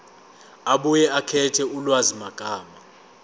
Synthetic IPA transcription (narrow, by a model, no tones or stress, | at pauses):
aɓujɛakʰɛtʰɛulwazimaɡ̥ʱʼaːma